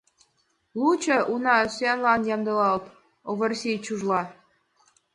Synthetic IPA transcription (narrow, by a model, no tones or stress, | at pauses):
lˠut͡ɕɤ̆ʔunɑsenlɑnjɑmd̪ɤ̆lɑlt̪ | oβɤ̆rsit͡ɕuʒlˠɑ